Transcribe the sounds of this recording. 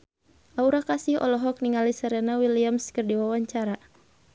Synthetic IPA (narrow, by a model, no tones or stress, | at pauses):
ʔauɾakasɪhɔ̰lɔɦɔk̚niŋalisəɾɛnawiliamskərdiwawaɲt͡ʃaɾa